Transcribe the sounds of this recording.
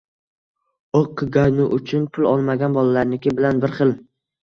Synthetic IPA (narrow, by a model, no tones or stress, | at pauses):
oqːɨɡʲaɾnʊʔʊt͡ʃʰʊnpʰʊlˠɒlˠmaɡʲanbɒlˠalaɾnɪkʲɪbɪlanbɪɾχɨl